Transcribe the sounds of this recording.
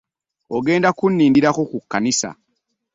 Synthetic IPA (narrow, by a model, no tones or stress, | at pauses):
oɡe̞ːndakunːiːndiɾaxukukːanisa̰